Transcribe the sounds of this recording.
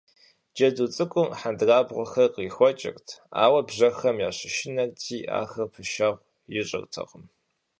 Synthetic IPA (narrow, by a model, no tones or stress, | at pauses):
d͡ʒɐduːt͡sʼɨkʷʼʊmħandraːbʁʷɔxɐrqiːxʷɔt͡ʃʼɪ̰rtʰa̰ːwɐbʑɐxɐmjaːɕɪʃɪnɐrtʰiːʔa̰ːxɐrpʰɨʃaːʁʷ | jɪɕʼɨ̰rtʰɐ̰ʁəm